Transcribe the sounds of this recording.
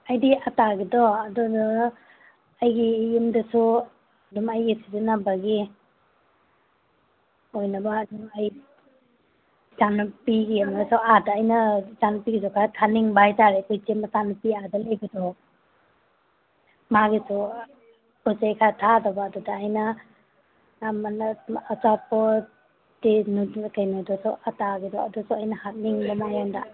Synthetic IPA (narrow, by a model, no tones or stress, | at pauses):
ajdiʔataɡidɔːdudaː | jɡijumdɐsu | ɐdumajɡisizinabaɡi | ojnɐbaːdumaj | zanupiɡijamdɐsuadaːjnɐzanupiɡizɔkʰatʰaniŋbajtaɾekɔjt͡ʃemɐsanupiadalejɡidɔ | maɡisɔ | pɔsejkʰatʰadabaːdudaːjna | manɐːt͡ʃapɔ | tenukajnɔdɔsɔ̰ʔataɡidɔadusɔajnɐhat̚niŋbamajanda̰